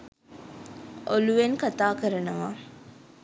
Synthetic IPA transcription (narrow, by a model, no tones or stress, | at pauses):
ʔoluʋeŋkat̪aːkəɾɐnɐʋa